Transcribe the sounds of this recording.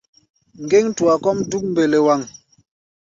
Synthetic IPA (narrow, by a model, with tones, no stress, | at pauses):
ŋ̩˨ɡe˦ŋ˦tu˨a˨kɔ˦m˦du˦k̚m̩˦be˨le˨wa˨ŋ